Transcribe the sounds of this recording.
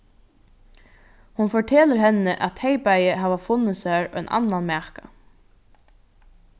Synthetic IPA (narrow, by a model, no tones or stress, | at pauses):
hʊnfɔʈʰeːləɾɦɛnːəʔæt̪ʰejpajəɪɦaːʋafʊnːəsæːɹœjnʔa̰nːanmæːka